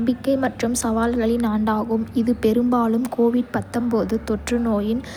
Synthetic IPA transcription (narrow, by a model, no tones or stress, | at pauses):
mbɪkːɐɪmɐʈrɯmsɐʋaːlɣɐɭɪnaːɳɖaːɣɯmɪðɯpɛɾɯmbaːlɯmkʰoːʋɪɽ̚pɐt̪ːɐmpoːðɯt̪ɔʈrɯnoːjɪn